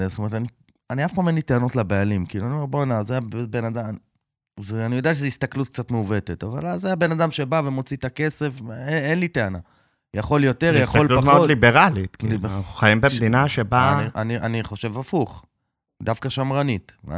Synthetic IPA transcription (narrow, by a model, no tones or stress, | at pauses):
stomeet̪ani | aniafpaːmenliteano̞tlabealimkiːluaniomeʁbonazajabbenada | zeanijod̪eaʃ̬ezeist̪aklut̚k̚t͡sat̪meuve̞tet̪ava̰lazeajabe̞nadamʃe̞bavemo̞t͡sit̪ake̞se̞feenlite̞ana̰ | jaχo̞ljo̞t̪e̞ʁjaχollupatmeolibeʁalit̪kinaχuχajimbemd̪inaʃebaniʔaniʔaniχo̞ʃe̞vafuχ | d̪afkaʃamʁanit